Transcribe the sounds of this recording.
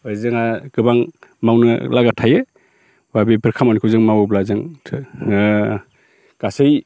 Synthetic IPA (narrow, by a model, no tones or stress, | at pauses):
ɯzɯŋaɡ̥ɯbaŋmawnɯ̰laɡatʰajɯ | babipʰɯɾkʰamanikʰɯzɯŋmawblazɯŋʰ | ɡ̥asɯj